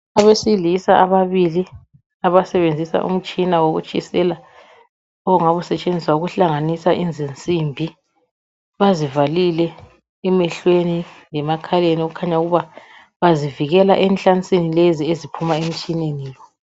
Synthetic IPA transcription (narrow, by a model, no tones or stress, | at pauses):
aβesilisaʔaβaβili | aβasɛβend͡zʱisa̰ʔṵm̩t͡ʃʼinawoɣṵt͡ʃʼisɛla | ɔɣuŋaβusɛt͡ʃʼend͡zʱiswauɣuɬaŋanisaʔind͡zʱint͡sʼimbʱi | βazivalilɛ | ɛmɛɬwenilɛmakʰalenioɣukʰaɲauɣuβa | βaziviɣɛla̰ʔɛnt͡ɬʼant͡sʼinileziezipʰumaem̩t͡ʃʼineniːlɔ